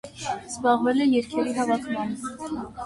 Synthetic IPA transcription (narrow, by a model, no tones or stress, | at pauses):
z̥bɑʁvɛlɛjɛɾkʰɛɾiɦɑvɑkʰmɑn